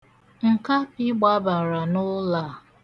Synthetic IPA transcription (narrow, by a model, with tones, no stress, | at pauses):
ŋ̩˨ka˦pi˦ɡ͡ba˦ba˨ɾa˨nʊ˦la˨